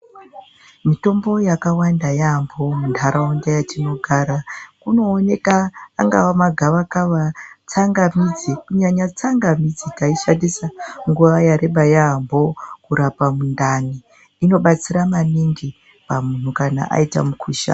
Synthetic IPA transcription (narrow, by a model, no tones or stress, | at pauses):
mito̞mbo̞jakawandajaɦambo̞muntʰaɾaondajatino̞ɡʱaːɾakuno̞ːne̞ka̰ːŋɡa̰wamaɡʱaʋakaʋat͡saŋɡamid͡zikuɲaɲat͡saŋɡamid͡zikaiʃandisaŋɡuʋajaɾe̞ɓajaɦambo̞kuɾapamundaniː | no̞ɓat͡siɾamaniŋɡi | pamun̤ukana̰ʔa̰ita̰mukʰuːʃa̰